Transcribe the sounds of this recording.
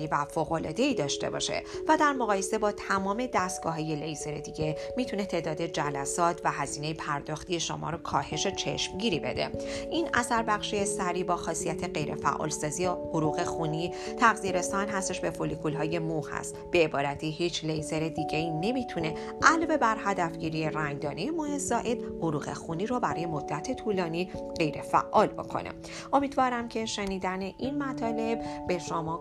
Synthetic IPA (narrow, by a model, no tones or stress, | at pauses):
ivæfoːɣo̞lɒːd̪e̞iːd̪ɒːʃt̪e̞̰bɒ̰ʃe̞̰væd̪æɾmoɣɒːje̞se̞bɒːt̪ʰæmɒːme̞d̪æst̪̚ɡ̥ɒ̰ːɦɒːje̞lejze̞ɾe̞d̪iɟe̞miːt̪ʰune̞t̪ʰe̞ːd̪ɒːd̪e̞d͡ʒælæsɒːt̪ʰvæɦæziːne̞jepʰæɾd̪ɒːxt̪ije̞ʃo̰mɒ̰ːɾokʰɒːhe̞ʃet͡ʃʰe̞̰ʃmɟiːɾiːbe̞d̪e̞̰ʔiːnæsæɾbæχʃiesæɾiːbɒːxɒːsijæt̪ʰe̞ɢe̞jɾʔe̞̰fæ̰ʔɒ̰ːlsɒːzijehoɾuːɣe̞xuni | t̪ʰæɣziɾe̞st̪ɒnɦæst̪e̞ʃbe̞folikʰulɦɒːje̞muhæ̰st̪b̥e̞ːbɒːɾæt̪ʰiːhiːt͡ʃʰlejze̞ɾe̞d̪iːɟeiːne̞miːt̪ʰune̞ | ʔælvebæɾhæd̪æfɟiːɾije̞ræŋd̪ɒːnejemohezɒːʔe̞d̪boɾuːɢe̞̰xuːniːɾɔbæɾɒːje̞mo̞d̪ːæt̪ʰe̞t̪ʰuːlɒːniː | ɢ̥e̞jɾe̞fæ̰ʔːɒːlbo̞̰kʰo̰nʔḛ | ʔo̞miːd̪vɒːɾæmcʰe̞ʃe̞niːd̪æne̞ʔinmæt̪ʰɒːle̞bbe̞ʃomɒː